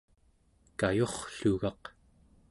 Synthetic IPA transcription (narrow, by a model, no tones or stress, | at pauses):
kajo̞χɬuɣɑq